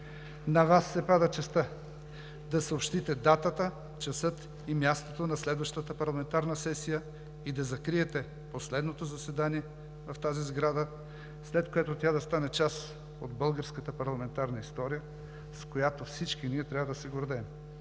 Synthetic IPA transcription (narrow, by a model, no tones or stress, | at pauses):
nɐvasːɛpad̪ɐt͡ʃɛst̪ə | d̪ɐsɐopʃt̪it̪ɛd̪at̪ət̪ə | t͡ʃɐsɤt̪ | imʲjast̪ot̪onɐslɛd̪vɐʃt̪ət̪əpɐɾlˠɐmɛnt̪aɾnəsɛsijə | id̪ɐzɐkɾiɛt̪ɛ | poslɛd̪not̪ozɐsɛd̪aniɛ | vɐft̪azizɡɾad̪ə | slɛt̪kojɛt̪ot̪ʲad̪ɐst̪anɛt͡ʃas | od̪bɤlˠɡəɾskət̪əpɐɾlˠɐmɛnt̪aɾnɐist̪ɔɾijə | skojat̪ofsit͡ʃkiniɛt̪ɾʲavəd̪ɐsɛɡoɾd̪ɛm